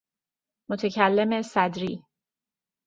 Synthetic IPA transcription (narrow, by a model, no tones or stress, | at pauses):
mot̪ʰecʰælːe̞mesæd̪ɾiː